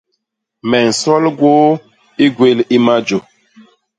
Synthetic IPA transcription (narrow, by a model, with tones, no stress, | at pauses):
mɛ˨n̩˨sɔ˦lɡwo˦ | i˦ɡwe˦li˦ma˦d͡ʒo˨